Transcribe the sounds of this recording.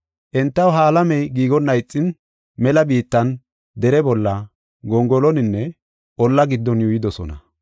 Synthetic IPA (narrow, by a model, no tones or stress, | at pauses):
ʔɛnt̪ːɐwɦaːlɐmɛjɡiːɡɔnːɐjt͡sʼːɪn | mɛlɐbiːt̪ːɐn | d̪ɛɾɛbɔlːɐ | ɡɔŋɡɔlɔnɪnːɛ | ʔɔlːɐɡɪd̪ːɔnjʊjɪd̪ɔsɔ̰nɐ